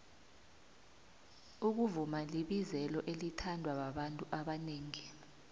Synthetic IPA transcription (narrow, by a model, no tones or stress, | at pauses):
uk̬uvumaliɓizɛlɔʔelitʰandʱwaɓaɓantʼuʔaɓaneːŋi